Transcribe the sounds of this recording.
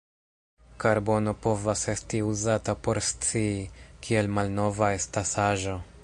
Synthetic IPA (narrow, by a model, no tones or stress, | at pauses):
kaɾbo̞no̞po̞vase̞stiuzatapo̞ɾst͡siːkʰie̞lmalno̞vae̞stasaʒo̞